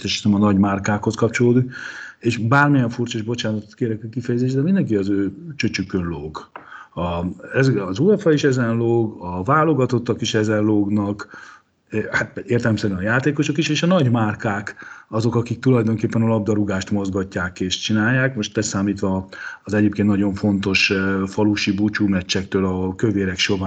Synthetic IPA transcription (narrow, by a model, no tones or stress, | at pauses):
t̪ɛʃi̥sɛmɒnɒɟmarkaːkho̞skɒpt͡ʃo̞loːd̪ukeːʃbaːrmijɛɱfurt͡ʃoʒbo̞t͡ʃaːnɒt̪ot̪keːɾɛkɛkifɛjɛzeːʃd̪ɛmind̪ɛŋkiɒzøːt͡ʃøt͡ʃykːønloːɡɒɛzɒzuɛfɒiʃɛzɛnloːɡɒvaːlo̞ɡɒt̪ot̪ːɒkiʃɛzɛnloːɡnɒk | hat̪eːrt̪ɛlɛmsɛɾynɒjaːt̪eːko̞ʃo̞kiʃeːʃɒnɒɟmaːrkaːkɒzo̞kɒkik̚t̪ulɒjd̪o̞ŋkeːpːɛnɒlɒb̚d̪ɒɾuɡaːʃt̪mo̞zɡɒcːaːkeːʃt͡ʃinaːjːaːkmo̞ʃt̪ɛsaːmiːt̪ʋɒːzɛɟeːpkeːnnɒɟo̞ɱfo̞nt̪o̞ʃfɒluʃibut͡ʃumɛt͡ʃːɛk̚t̪øːlɒkøveːɾɛkʃo̞va